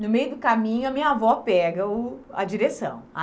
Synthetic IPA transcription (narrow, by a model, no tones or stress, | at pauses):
nʊmejʊd̪ʊkamĩɲʊɐmĩɲavɔpɛɡɐʊɐ̰d͡ʒiɾesɐ̰̃w̃a